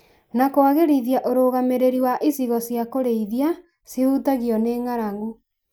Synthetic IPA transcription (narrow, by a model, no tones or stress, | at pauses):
nakoaɣeɾiðiaʔoɾoɣameɾeɾiwaʔisiɣɔsjakoɾeiðia | seuːtaɣiɔneːŋaɾaŋɡu